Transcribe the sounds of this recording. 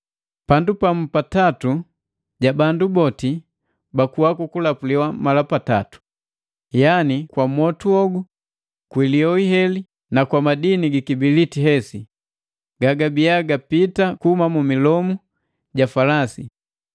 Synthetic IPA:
pandupam̩patatu | ɟabandubɔti | bakuwakukulapuliwamalapata̰tu̥ | janikwamɔtuɔɡu | kwiliɔiɦɛli | nakwamadiniɡikibilitiɦɛsi | ɡaɡabijaɡapitakuhumamumilɔmu | ɟafalasḭ

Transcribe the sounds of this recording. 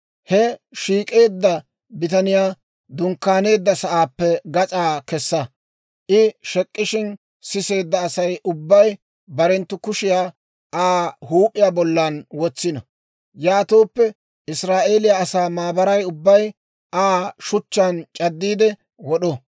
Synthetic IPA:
hɛʃiːkʼe̞ːd̪ːɐ | bɪt̪ɐnɪjaː | d̪ʊŋkːaːne̞ːd̪ːɐsɐʔaːpːɛɡɐt͡sʼaːkɛsːɐ | ʔɪʃɛkʼːɪʃɪn | sɪse̞ːd̪ːɐːsɐjʔʊbːɐj | bɐɾɛnt̪ːʊkʊʃɪjaː | aːhuːpʼːɪjaːbɔlːɐnwɔt͡sːɪnɐ | jaːt̪oːpːɛ | ɪsɾaːʔeːlɪjaːsaːmaːbɐɾɐjʊbːɐj | aːʃʊt͡ʃːant͡ʃʼɐd̪ːiːd̪ɛ | wɔɗɔ

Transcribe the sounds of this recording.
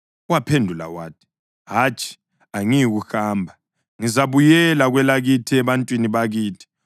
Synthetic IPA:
uwapʰendʱula̰waːtʰi̥ | ɦaːt͡ʃʰʼi̥ | aŋijiɣuxaːmbʱa | ŋizaβujɛlaɣwɛlaɣitʰiɛβantʼwiniβaɣiːtʰi̥

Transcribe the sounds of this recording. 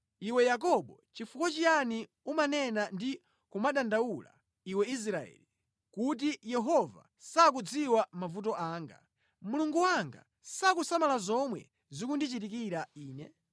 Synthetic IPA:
iwɛjak̬ɔɓɔt͡ʃifukɔt͡ʃiani | umanɛnandi | kumaɗandawula̰ | iwɛis̬ɾaɛ̰li | kut̬ijɛɦɔva̰ | sak̬ud͡ziwamavut̬ɔʔaːŋɡa̰ | muluŋɡuwaŋɡa̰ | sakusamalazɔmwɛ̰ | zikundit͡ʃitik̬iɾaiːnɛ̰

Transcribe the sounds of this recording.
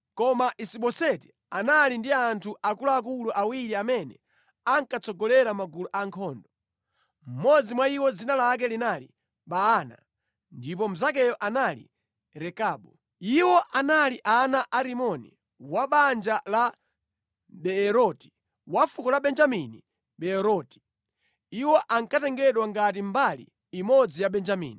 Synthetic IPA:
kɔmaʔisiɓɔsɛti̥ | analindiantʰuʔakulaːk̬uluʔawiɾiamɛnɛ | aŋkat͡sɔɡɔlɛɾamaɡuluʔaŋkʰɔːndɔ | m̩mɔd͡zimwaiwɔd͡zinalak̬ɛlinalḭ | ɓaːna̰ | ndip̬ɔm̩zak̬ɛjɔʔanalḭ | ɾɛkaːɓɔ | iwɔʔanaliʔanaʔaɾimɔnḭ | waɓand͡ʒala | ɓɛːɾɔti̥ | wafukɔlaɓɛnd͡ʒamini | ɓɛɛɾɔti̥ | iwɔʔaŋkatɛŋɡɛɗwaŋɡat̬imbalḭː | mɔd͡zijaɓɛnd͡ʒamḭːni

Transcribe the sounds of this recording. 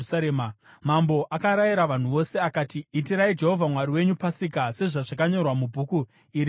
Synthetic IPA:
saɾeːma | mambo̞ʔakaɾajiɾaʋan̤uʋo̞se̞akaːtiːtiɾaid͡ʒe̞ɦo̞vʱamwaɾiwe̞ɲupasikase̞ʐaʐakaɲo̞rwamubʱuku | iɾi

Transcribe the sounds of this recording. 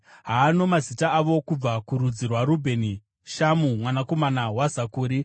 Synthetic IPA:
ɦaːno̞mazitaːʋo̞kub͡vakuɾud͡zirwaɾubʱe̞ni | ʃamumwanako̞manawazakuːɾi

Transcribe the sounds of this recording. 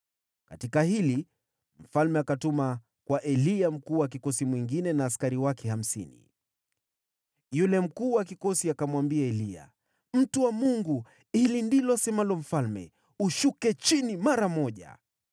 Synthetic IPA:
katikahili | m̩falmɛakatuma | kwaʔɛliam̩kuːwakikɔsimwiŋɡinɛnaːskaɾiwakɛham̩sḭnḭ | julɛm̩kuːwakikɔsiakamwambiaɛlia̰ | m̩tuwamuŋɡu | ilindilɔsɛmalɔm̩falmɛ̰ | uʃukɛt͡ʃinimaɾamɔʄa̰

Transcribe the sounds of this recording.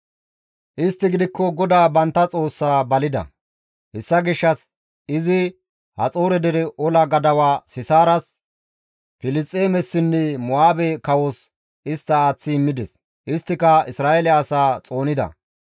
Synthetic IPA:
ʔɪst̪ːɪɡɪd̪ɪkːɔɡɔd̪aːbɐnt̪ːɐt͡sʼo̞ːsːaːbɐlɪd̪ɐ̰ | hɛsːɐɡɪʃːɐs | ɪzɪ | hɐ̰t͡sʼoːɾɛd̪ɛɾɛʔɔlɐɡɐd̪ɐwaːsɪsaːɾɐs | fɪlɪst͡sʼːeːmɛsːɪnːɛmɔaːbɛkɐwɔs | ɪst̪ːɐaːt͡sːɪɪmːɪd̪ɛs | ʔɪst̪ːɪkɐɪsɾaːelɛːsaːt͡sʼo̞ːnɪd̪ɐ̰

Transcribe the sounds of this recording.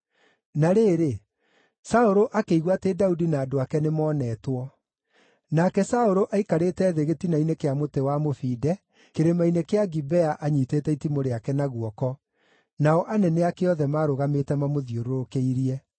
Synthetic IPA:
naɾeːɾe | saoɾoʔakeiɣwatedaudinaːdoakɛnemɔːnɛːtwɔ | nakɛsaoɾoʔaikaɾetɛːðeɣetinainekeamotewamofiːdɛ | keɾemainekeaɡibɛaʔaɲitetɛitimoɾeakɛnaɣwɔkɔ | naɔʔanɛneakeɔðɛmaːɾoɣametɛmamoðioɾoɾokeiɾiɛ

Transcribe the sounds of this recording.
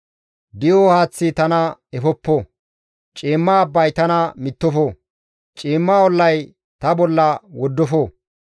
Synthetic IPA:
d̪ɪjohaːt͡sːɪt̪ɐnɐɛfɔpːo | t͡ʃʼiːmːaːbːɐjt̪ɐnɐmɪt̪ːɔfo | t͡ʃʼiːmːaːɔlːɐj | t̪ɐbɔlːɐwɔd̪ːɔfo

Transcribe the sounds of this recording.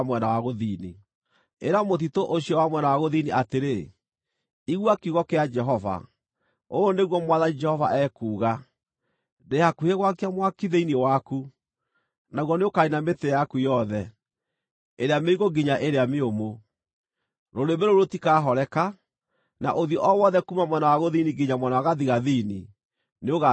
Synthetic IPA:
mwɛnawaɣoðiːni | eɾamotitoʔoɕiɔwamwɛnawaɣoðiniʔateɾe | iɣwakiuɣɔkead͡ʒɛɦɔva̰ | ooneɣwɔmwaðaɲid͡ʒɛhɔva̰ʔɛkuːɣa | deakuheɣwak̬eamwakiðeiniewaku | naɣwɔneokainametejakujɔðɛ | eɾeameiɣoɡiɲaʔeɾeameomo | ɾoɾemeɾoɾotikaːɦɔɾɛka | na̰ʔoðjɔʔɔwɔðɛkumamwɛnawaɣoðiniɡiɲamwɛnawaɣaðiɣaðini | neoɣa

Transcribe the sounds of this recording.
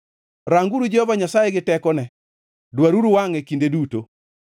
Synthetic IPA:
ɾaŋɡuɾud͡ʒehɔvaɲasajeɡɪtɛkɔnɛ | dwaɾuɾuwaŋekindeduto

